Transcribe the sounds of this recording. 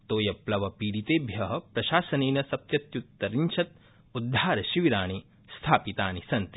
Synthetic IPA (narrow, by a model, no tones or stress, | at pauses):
t̪oːjɐplɐʋɐpiːɾit̪eːbʱjɐɦɐ̆pɾɐʃaːsɐneːnɐsɐp̪̚jɐt̪jut̪ːɐɾiɲt͡ʃʰɐt̪̚ | ud̪ʱːaːɾɐʃiʋiɾaːɳi | st̪ʰaːpit̪aːnisɐnt̪i̥